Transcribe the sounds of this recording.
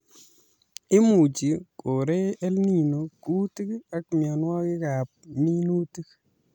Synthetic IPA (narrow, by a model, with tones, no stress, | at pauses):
ɪ˦mu˨t͡ʃi˨ko˨ɾe˦ɛ˦lni˦˨no˨ku˦ti˦ka˦kmja˨nwa˦kɪ˦ka˨p̚ni˦nu˦ti˦k